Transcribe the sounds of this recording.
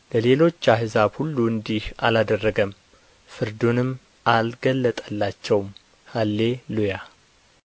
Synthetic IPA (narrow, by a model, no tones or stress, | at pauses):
ləle̞lo̞t͡ʃːaɦɨzabhulːuɨnd̪iha̰lad̪ərːəɡəm | fɨɾd̪unɨm | ʔalɡəlːət̪ʼəlːat͡ʃːɛwm | halːe̞luja